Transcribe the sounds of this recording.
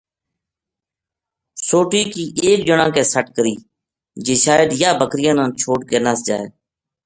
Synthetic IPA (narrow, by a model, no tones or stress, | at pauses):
soːʈiːkiːʔeːkd͡ʒəɳãːkeːsəʈkəɾiː | d͡ʒeːʃaːjəd̪jaːbəkɾɪjãːnãːt͡ʃʰoːʈkeːnaːsd͡ʒa̰ːḛː